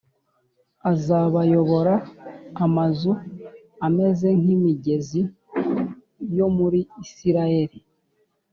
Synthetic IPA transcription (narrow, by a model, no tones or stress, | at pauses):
azaβajo̞βo̞ɾaː | mazu | ame̞ze̞ŋ̥imiɟe̞zi | jo̞muɾiːsiɾaje̞ɾi